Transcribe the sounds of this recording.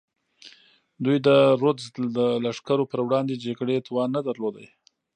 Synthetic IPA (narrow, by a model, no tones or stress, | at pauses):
d̪ujd̪əɾod̪zd̪əlaʂkaɾopəɾwɽɑnd̪ed͡ʒaɡɽet̪wɑnːad̪aɾlod̪ə̰j